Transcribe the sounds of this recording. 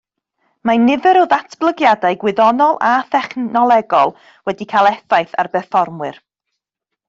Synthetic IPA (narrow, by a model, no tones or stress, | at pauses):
manɪvɛɾɔðatʰb̥lˠəɡjadajɡwɪðɔnɔlˠaθɛχnɔlˠɛɡɔlˠ | wɛdikʰalˠɛθajθarbɛfɔrmwɨr